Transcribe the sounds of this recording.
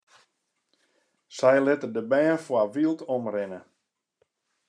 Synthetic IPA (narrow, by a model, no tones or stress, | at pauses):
sɛjlɪtərdəbɛːnfwaʋilˠtʰɔmrɪnə